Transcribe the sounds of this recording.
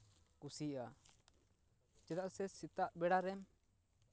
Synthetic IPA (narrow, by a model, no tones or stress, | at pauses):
kusiʔa | d͡ʒɛd̪aʔsɛsit̪aʔbɛɽaɾɛm